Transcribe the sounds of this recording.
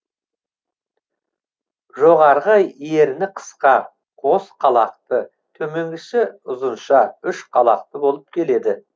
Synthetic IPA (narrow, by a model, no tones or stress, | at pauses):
ʒoʁɑɾʁəje̞ɾɪnɪqʰə̥sqɑ | qʰo̞sqʰɑlˠɑq̚t̪ə | t̪ʰɵme̞ŋɡʲɪʃɪʊzənʃɑʏʃqʰɑlˠɑq̚t̪əbo̞lˠəp̚kʲʰe̞le̞d̪ɪ